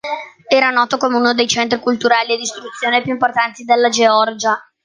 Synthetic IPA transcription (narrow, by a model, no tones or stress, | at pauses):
ɛːɾanɔːt̪okomeunod̪ejt͡ʃɛnt̪ɾikult̪uɾaːlied̪ist̪ɾut̪sːjoːnepjuimport̪ant̪id̪elːad͡ʒeɔrd͡ʒa